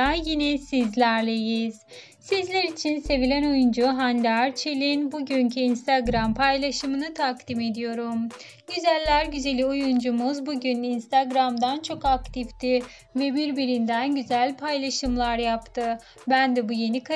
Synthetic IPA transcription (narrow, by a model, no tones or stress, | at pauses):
jinɛsizlʲæɾlʲe̞jiz̥ | sizlʲɛɾit͡ʃʰinse̞vilʲæno̞jund͡ʒuɦand̪aɾt͡ʃʰelʲinbuɟøɲcʰiinst̪ʰaɡɾampʰajlˠaʃɯmɯnɯt̪ʰakt̪ime̞d̪ijo̞ɾum | ɟyzælʲːæɾɟyze̞lʲiojund͡ʒumuzbuɟyninst̪ʰaɡɾamd̪ant͡ʃʰo̞kakt̪ʰift̪ʰi | vɛbiɾbiɾind̪ænɟyzælʲpʰajlˠaʃɯmlˠaɾjapt̪ʰɯ | bænd̪ɛbuje̞nikʰ